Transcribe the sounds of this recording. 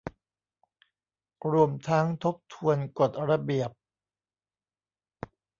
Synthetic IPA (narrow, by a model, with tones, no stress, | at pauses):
ɾu˧əmt̪ʰa˦˥ŋt̪ʰo˦˥p̚t̪ʰu˧ənko˨˩t̪̚ɾa˧bi˨˩əp̚